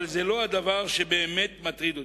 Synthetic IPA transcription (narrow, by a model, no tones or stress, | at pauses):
lzelo̞ad̪avaʁʃe̞be̞ːmet̪mat̪ʁid̪ot̪